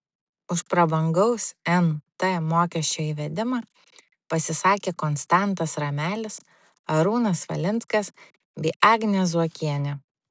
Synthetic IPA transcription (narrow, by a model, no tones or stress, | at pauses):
ʊʃpɾɐbɐŋɡɐʊsɛnt̪ɐmoːkʲɛsʲt͡ʃʲoːiːʋʲɛd̪ʲɪmɑ | pɐsʲɪsɑːkʲeːkɔnst̪ɑˑnt̪ɐsɾɐmʲæːlʲɪs | ɐɾuːnɐsʋɐ̰lʲɪntskɐs | bʲɛːʔɑːɡnʲɛszuɔkʲiɛnʲɛ